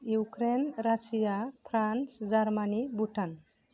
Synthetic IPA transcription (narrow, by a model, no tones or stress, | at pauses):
jukɾenɾasijapʰɾansd͡ʒaɾmanibuʈʰan